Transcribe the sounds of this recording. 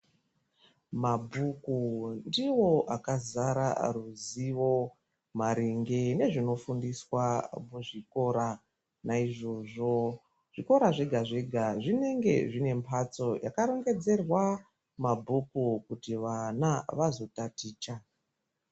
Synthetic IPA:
mabʱukundiwo̞ʔakazaɾa̰ruziʋo̞ | maɾiŋɡe̞ne̞ʐino̞fundiswamuʐiko̞ɾa | naiʐo̞ʐo̞ | ʐ̥iko̞ɾaʐeɡʱaʐe̞ɡʱaʐine̞ŋɡe̞̰ʐine̞mpʰat͡so̞ja̰kaɾoŋɡe̞d͡ze̞rwa | mabʱukukutiʋanaʋazo̞tatiːt͡ʃa

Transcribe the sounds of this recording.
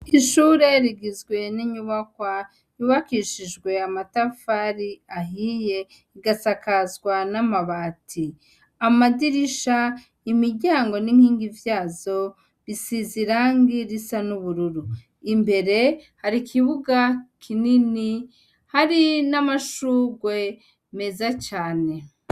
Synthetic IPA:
iʃuːɾe̞ɾiɡizɡwe̞niɲuβakwa | juβakiːʃiʒɡwe̞amatafaɾiaɦije̞ | iɡasakazɡwanamaβaːtʰi | amadiɾiʃa | imiɾɟaːŋɡo̞niŋ̥hiːŋɡivjaːzo̞ | βisiziɾaŋɡiɾisanuβuɾuɾu | imbe̞ɾe̞haɾikʰiβuɡakʰinini | haɾinamaʃuːɡwe̞ | me̞zat͡ʃaːne̞

